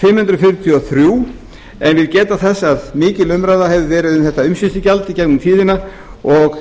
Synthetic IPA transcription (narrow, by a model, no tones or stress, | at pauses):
fɪmhʏnt̪ɾʏfɪɾt̪ʰjɔθɾjuː | ɛnvɪðcɛːt̪aθɛsːaðmɪːcɪlʏmɾajðahɛvðɪvɛːɾɪðʏnθɛht̪aʏmsɪst̪ɪcalt̪icɛkmʏmfiːðɪna | ɔɣ